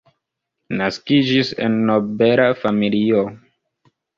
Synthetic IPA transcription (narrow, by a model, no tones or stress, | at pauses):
naskid͡ʒisḛnːo̞beɾafamilio